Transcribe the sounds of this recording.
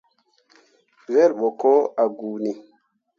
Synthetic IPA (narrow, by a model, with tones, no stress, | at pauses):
vɛ˦lɓɔ˨kɔ˦a˨ɡuː˨ni˨